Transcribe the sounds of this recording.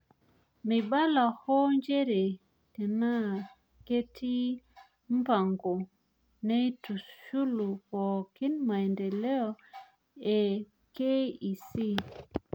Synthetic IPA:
mi˨ɓa˦la˨hɔ˦nd͡ʒe˦ɾe˨ | te˨na˦ | ke˦tʰi˦ | mba˨ŋɡo˨ | ne˦jtu˨ʃu˦lu˨ko˨ki˦nma˨jnde˨le˦ɔ˨ | e˨ | ke˦i˨si˦

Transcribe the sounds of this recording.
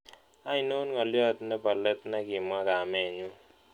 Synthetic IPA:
a˦i˨no˦nŋɔ˨ljɔ˦t̪nɛ˦pa˨lɛ˦t̪na˦ɡɪ˨mwa˦ka˨mɛ˨ɲu˦

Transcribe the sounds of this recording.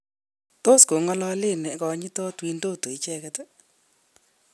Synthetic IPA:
to˦sko˨ŋɔ˦lɔ˦lɪ˦˨nɛ˨˦kɔ˨˦ɲɪ˦tɔ˦twi˦ndo˦˨to˨i˦t͡ʃɛ˦kɛ˦tɛ˦

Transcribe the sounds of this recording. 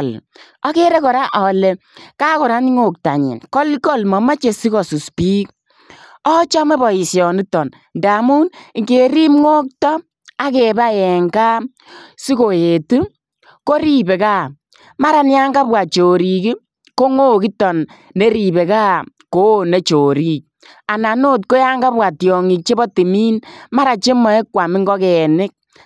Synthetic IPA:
l | ɔ˦ke˦ɾe˦kɔ˨ɾa˦ʔɔ˨le˨ka˦kɔ˨ɾa˦ni˦ŋo˦˨k̚ta̰˨ɲḭ˨nkɔ˦lkɔ˦lmɔ˨ma˦t͡ʃe˨si˦kɔ˨su˨spi˦k̚ | ɔ˦t͡ʃɔ˦me˦bɔ˨i˨sjɔ˨ni˦tɔ˨n | nda˨mu˦nŋke˨ɾi˦mŋo˦k̚tɔ˦ | a˦ke˨ba˦jɛ˨ŋka˦ | si˦ko˨je˨tu˦ | ko˦ɾi˦be˨kaː˦˨ | ma˦ɾa˨nja˦ŋɡa˦bwa˨t͡ʃo˨ɾi˨ki˦ | ko˦ŋo˦ki˦tɔ˨n | ne˦ɾi˨be˨ka˦ko˦ne˨˦t͡ʃo˨ɾi˦k̚ | a˨na˨no˦t̬ko˦ja˦ŋɡa˦pwa˨tjɔ˨ŋi˨k̚t͡ʃe˦bɔ˦ti˨miː˦nma˦ɾa˨t͡ʃe˦mɔ˨e˦kwa˨mɪ˦ŋɡɔ˦kɛ˨nɪ˦k̚

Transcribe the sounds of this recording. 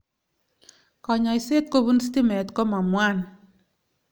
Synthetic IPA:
kɔ˨ɲɔ˨i˨se˦t̪̚ko˦βu˦nsti˦mɛ˨t̪kɔ˦ma˨mwa˦n

